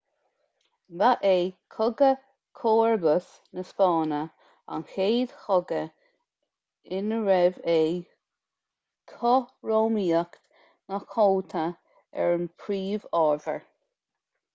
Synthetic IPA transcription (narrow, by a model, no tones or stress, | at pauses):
vaʔeːkʰʊɡə | kʰoːɹbəs | nəspɑːnə | a̰nxeːd̪̥xɔɡə | ɪnəɹɛveː | kʰɔɹoːmiːəkt̪ | nakʰolt̪ʰə | ɛ̰ɹənpʰɾiːvɑːɹvə̰ɹ